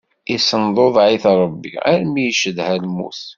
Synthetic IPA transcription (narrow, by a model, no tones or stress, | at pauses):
isənd̪ˤoðˤʕiθɾˤəbːḭæ̰ɾmijʃəðhælmːṵθ